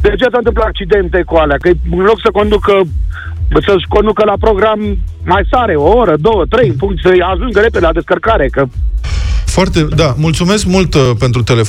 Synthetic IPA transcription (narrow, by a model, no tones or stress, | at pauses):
d̪eat͡ʃejas̬ant̪ɨmplaak̚t͡ʃid̪e̞nt̪ekualeakəjɨnlo̞ksəko̞nd̪ukə | səʃko̞nd̪ukəlapɾo̞ɡɾamː | ajsaɾeooɾəd̪o̞wət̪ɾe̞jɨnpuŋkt̪səjaʒuŋɡəɾe̞ped̪elad̪e̞skərkaɾekə | foart̪ed̪amult̪sume̞skmult̪pent̪ɾut̪elef